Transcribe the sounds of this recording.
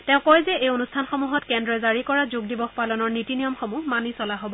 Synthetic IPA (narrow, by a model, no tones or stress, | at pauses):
tɛ̃ʊ̃kɔjzɛʔejonustʰanxɔmuɦɔtkɛndɹɔzaɹikɔɹazuɡ̚dibɔxpalɔnɔɹnitinijɔmxomuɦmanisɔlaɦobɔ